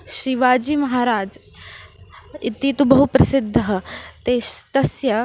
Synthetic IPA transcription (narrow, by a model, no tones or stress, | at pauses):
ʃɾiʋaːd͡ʒiːmɐɦaːɾaːd͡ʒ | it̪it̪ubɐɦupɾɐsɪd̪ʱːɐɦɐt̪eːʃt̪ɐsjɐ